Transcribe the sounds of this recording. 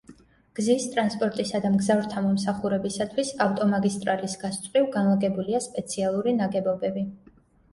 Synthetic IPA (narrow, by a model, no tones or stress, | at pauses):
ɡ̥zist̪ʼɾanspʼɔɾt̪ʼisad̪amɡzavɾt̪ʰamɔmsaχuɾɛbisat̪ʰwisaft̪ʼɔmaɡist̪ʼɾalisɡ̥ast̪sʼɾivɡanlˠaɡɛbuliaspʼɛt̪sʰialˠuɾinaɡɛbɔbɛbi